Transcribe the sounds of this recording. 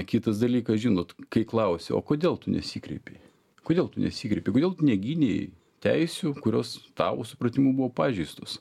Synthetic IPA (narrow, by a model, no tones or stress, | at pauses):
kʲɪt̪ɐs̬d̪ɐlʲiːkɐsʒʲɪnoːt̪kɐɪklˠɐʊsʲḛo̰ːkoːd̪ʲeːlˠt̪ʊnʲɛ̰sʲiːkɾʲɛ̰ɪpʲeɪ | koːd̪ʲeːlˠt̪ʊnʲɛsʲiːkɾʲɛɪpʲeɪkodʲelˠt̪ʊnʲɛɡʲinʲej | t̪ʲɛɪsʲuːkʊɾʲoːst̪ɑːʋo̰ːsʊpɾɐt̪ʲɪmuːbuʋoːpɑːʒʲɛɪst̪oːs